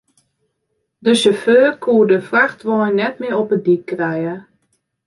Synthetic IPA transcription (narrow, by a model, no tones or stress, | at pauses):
dəʃəføːrkʰuədəfraxtʋɔjnːɛtmɪəɔpədikkːrɛjə